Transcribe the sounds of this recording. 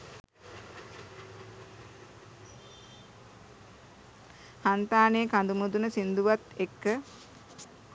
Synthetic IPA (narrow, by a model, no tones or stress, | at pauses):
hant̪aːnejːkand̪umud̪unəsind̪uʋat̪ekːə